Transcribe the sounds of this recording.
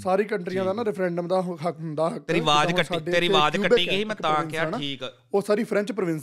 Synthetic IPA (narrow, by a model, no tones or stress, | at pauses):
saːɾiːkəɳʈɾijãːd̪aːnaːɾɛpʰɾɛ̃ːɳɖəmd̪aːɦɦəkɦʊnd̪aːɦək̪eːɾiːʋaːd̪əsiːɖeːeɾiːʋaːd̪uːkəbeiːɡəimɛ̃ːt̪ãːnkaɛːnaːiːkː | oːsaːɾiːpʰɾɛ̃ɲt͡ʃpɾəʋɪ̃ns